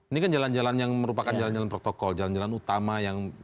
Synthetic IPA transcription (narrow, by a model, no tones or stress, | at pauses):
inikand͡ʒaland͡ʒalanjaŋməɾupakand͡ʒaland͡ʒalanpɾot̪okɔld͡ʒaland͡ʒalanut̪amajaŋ